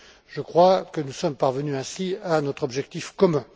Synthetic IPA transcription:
ʒəkχwakənusɔmpaʁvənyɛ̃sianɔt̪χɔbʒɛk̚t̪ifkɔmɛ̃

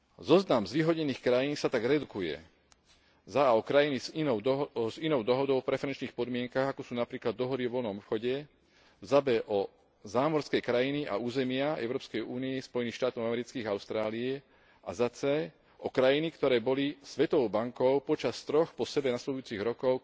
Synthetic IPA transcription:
zɔznamzʋiːɦɔɟɲɛniːxkɾajiːnsat̪aɡɾɛd̪ukujɛ̰ | zaɔkɾajiniziɔzinɔʊd̪ɔɦɔd̪ɔʊɔpɾɛfɛɾɛnt͡ʃniːxpɔd̪mɪɛŋkaɣakɔsuːnapɾiːklad̪ːɔɦɔd̪iɔʋɔlnɔmɔpxɔɟɛ | zabɛʔɔ | zaːmɔɾskɛjkɾajiniʔa̰uːzɛmɪaɛ̰ʊɾɔːpskɛjuːniɛspɔjɛniːxʃt̪aːt̪ɔʊamɛɾit͡skiːɣaʊst̪ɾaːliɛ | a̰zat͡sɛ | ʔɔkɾajinikt̪ɔɾɛːbɔlisʋɛt̪ɔʋɔʊbaŋkɔʊpɔt͡ʃast̪ɾɔxpɔsɛbɛnaslɛd̪ujut͡siɣɾɔkɔʊ

